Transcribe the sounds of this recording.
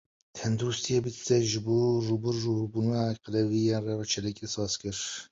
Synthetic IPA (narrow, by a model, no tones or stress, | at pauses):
t̪ʰɛnd̪uɾust̪ʰijɛbit̪ɛʒɨboːrubɨɾːurbunqəlɛvijɛrɛvt͡ʃʰɛlɛkʲʼesɑːskɨɾ